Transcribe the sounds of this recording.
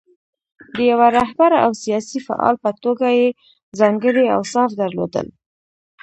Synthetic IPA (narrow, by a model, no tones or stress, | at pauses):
d̪əjawaɾaɦbaɾa̰wsijɑsifa̰ʔɑ̰lpət̪oɡaje | zɑŋɡəɽia̰wsɑfd̪əɾlo̰d̪ə̰l